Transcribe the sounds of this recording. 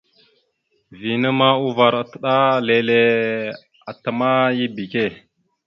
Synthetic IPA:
vi˨nə˦ma˦u˦va˨ɾa˨tə˦˨ɗa˦le˨le˦ | a˨tə˨ma˦ji˦bi˨ke˦˨

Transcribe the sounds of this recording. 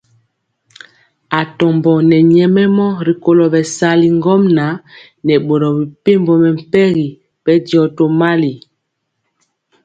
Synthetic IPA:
a˨tɔ˨mbɔ˨nɛ˨ɲɛ˨mɛ˦mɔ˦ɾi˨ko˨lɔ˨bɛ˨sa˨˦li˨ŋɡɔ˦mna˨˦ | nɛ˨ɓo˨ɾɔ˨bi˨pe˦mbɔ˨mɛ˨m̩˨pɛ˦ɣi˨ | pɛ˦di˨ɔ˨to˨ma˦li˨

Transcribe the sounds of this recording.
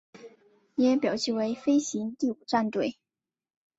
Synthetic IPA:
jɛ˥pjɑ˨˩ʊt͡ɕi˥˩we˧˥ɪfe˥ɪɕi˧˥ŋt̪i˥˩u˨˩ʈ͡ʂa˥˧nt̪we˥˩ɪ

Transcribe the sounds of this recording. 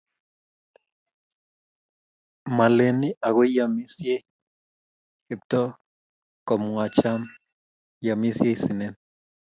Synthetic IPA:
ma˨le˨ni˦ʔa˨ɣe˦ja˨mi˦sje˦ | hi˨p̚tɔ˦ | kɔ˨mwa˨t͡ʃa˦m | ja˨mi˦sje˦si˨ne˦n

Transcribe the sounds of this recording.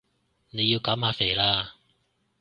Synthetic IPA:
ne˨˧jːi˧wkaː˨˥mhaː˧fe˨˩laː˧

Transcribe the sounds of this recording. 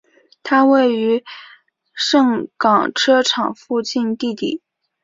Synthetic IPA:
t̪ʰa˥we˥˩ɪy˧˥ | ʂɤ˥˩ŋkɑ˨˩ŋʈ͡ʂʰɤ˥ʈ͡ʂʰɑ˨˩ŋfu˥˧t͡ɕi˥˧nt̪i˥˧t̪ḭ˨˩˦

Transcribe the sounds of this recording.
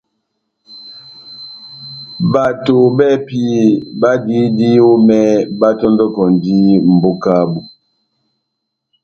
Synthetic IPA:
ba˨to˨bɛ˦˨pi˦ba˦di˦di˦o˦mɛ˦ba˦tɔ˦ndɔ˦kɔ˨n˨di˦m̩˨bo˦ka˦bu˨

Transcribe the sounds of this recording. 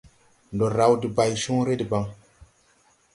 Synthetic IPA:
ndo˨ɾa˨wdi˨ba˨jʃu˦ŋɾe˦di˨ba˦ŋ

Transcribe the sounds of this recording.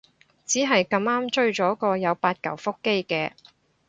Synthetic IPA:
t͡siː˨˥ɦɐ˨jkɐ˧maː˥mt͡ʃɵ˥ɥt͡ʃɔː˨˥kɔː˧jɐ˨˧wpaː˧t̚kɐ˨˩wfʊ˥kːe˥jkɛː˧

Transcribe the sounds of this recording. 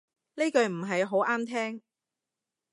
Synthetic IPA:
ne˥kɵ˨˧ɥm̩˨˩ɦɐ˨jɦo˨˥wʔaː˥mt̪ʰɛː˥ŋ

